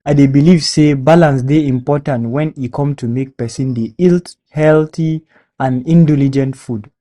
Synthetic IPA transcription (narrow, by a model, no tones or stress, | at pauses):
aɪdebilivsebalãnsdeĩmpɔtãntwɛ̃nikʰɔ̃mtʰumek̚pɛsĩndeilt | hɛlθi | ãnĩndilid͡ʒɛ̃ntfud